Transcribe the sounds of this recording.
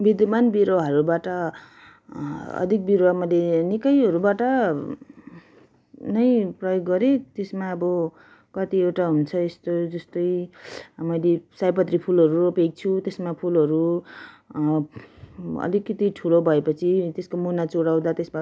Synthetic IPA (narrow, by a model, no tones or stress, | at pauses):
bid̪manbiɾoaɦʌɾubaʈʌ | ʌ̰d̪ʱik̚biɾowamʌjlenikʌjɦʌɾubaʈʌ | nʌjprʌjoɡːʌɾet̪esmaʌbʌ | kʌt̪iewʈaɦunt͡sʰʌest̪od͡zʌst̪ʌj | mʌjlesajp̬ʌt̪ripʰulɦʌɾuʌpek̚t͡sʰut̪esmapʰulɦʌɾu | ʌ̰likːʌt̪iʈʰulobʱʌepʌt͡sʰit̪eskomunat͡soɽaw̃d̪at̪esba